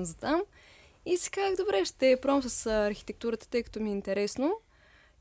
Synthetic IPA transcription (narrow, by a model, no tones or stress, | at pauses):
nzɐt̪am | isɛ̥kaɡd̪obɾɛʃt̪ɛpɾɔmsəsɐɾxi̥t̪ɛk̚t̪uɾət̪ə̥t̪ɤjkɐ̥t̪omiɛint̪ɛɾɛsno